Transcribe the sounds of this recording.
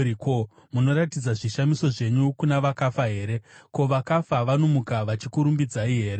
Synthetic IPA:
iko | muno̞ɾatid͡zaʐiʃamiso̞ʐe̞ɲukunaʋakafaɦe̞ːɾe̞ko̞ʋakafaʋanomukaʋat͡ʃikuɾumbid͡zaiɦe̞ːɾe

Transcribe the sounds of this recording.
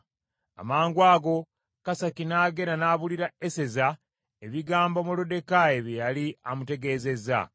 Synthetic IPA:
a̰maːŋɡwaːɡo̞ | kasakinaːɡe̞ɾanaːβuliɾaese̞za | e̞βiɡaːmbomulode̞kajeβjejaliamute̞ɡe̞ːze̞za̰

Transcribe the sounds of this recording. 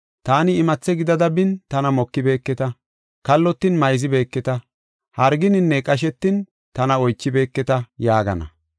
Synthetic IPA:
t̪aːnɪːmɐt͡sːɛɡɪd̪ɐd̪ɐbɪnt̪ɐnɐmɔkːɪbe̞ːkːɛt̪ɐ | kɐlːɔt̪ːɪnmɐjzɪbe̞ːkːɛt̪ɐ | hɐɾɡɪnɪnːɛkʼɐʃ̬ɛt̪ːɪn | t̪ɐnɐɔjt͡ʃːɪbe̞ːkːɛt̪ɐjaːɡɐ̰nɐ̰

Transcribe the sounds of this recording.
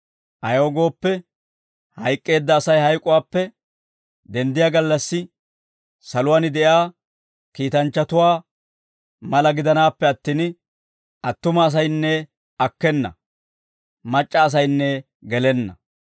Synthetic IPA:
ʔɐjoːɡo̞ːpːɛ | hɐjkʼːe̞ːd̪ːɐːsɐjhɐjkʼʊwaːpːɛ | d̪ɛnd̪ɪjaːɡɐlːɐsːɪ | sɐlʊwaːnɪd̪ɛjaː | kiːt̪ɐnt͡ʃːɐt̪ʊwaː | mɐlɐɡɪd̪ɐnaːpːɛɐt̪ːiːn | ʔɐt̪ːʊmɐːs̬ɐjnːɛ | ɐkːɛnːɐ̰ | mɐt͡ʃʼːɐːs̬ɐjnːɛ | ɡɛlɛnːɐ̰

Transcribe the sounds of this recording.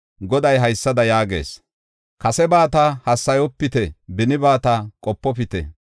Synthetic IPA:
ɡɔd̪ɐjɦɐjsːɐd̪ɐjaːɡḛːs | kɐsɛbaːt̪ahɐsːɐjɔpːɪt̪ɛbɪnɪbaːt̪akʼɔpːɔpɪt̪ɛ

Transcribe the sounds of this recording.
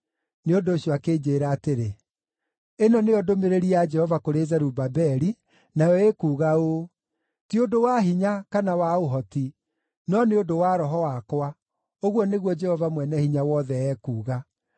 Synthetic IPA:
neondoːɕiɔakeːd͡ʒeːɾaːteɾe | enɔneɔdomeɾeɾiad͡ʒɛhɔvakoɾezɛɾubabɛɾi | naɛekuːɣao | tiodowaɦiɲakanawaoɦɔti | nɔneodowaɾɔɦɔwakwa | oɣwɔneɣwɔd͡ʒɛhɔvamwɛnɛhiɲawɔðɛɛkuːɣa

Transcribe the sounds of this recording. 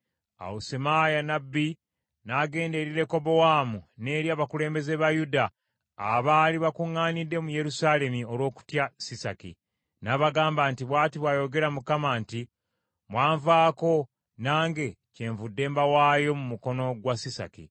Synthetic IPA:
a̰wusemajanabːi | naːɡe̞ːnde̞ɾiɾe̞ko̞bo̞waːmune̞ːɾjaːβakule̞ːmbe̞ze̞βajuda̰ː | βaːliβakuŋːaːnidːe̞muje̞ɾusaːle̞mio̞lwo̞ːku̥tjasisa̰kḭ | naːβaɡaːmbaːntiβwaːtiβwajo̞ɡe̞ɾamukamaːnti | mwaːɱvaːko̞ | naːŋɡe̞ | ce̞ːɱvudːe̞ːmbawaːjo̞mumuko̞no̞ɡwasisa̰kḭ

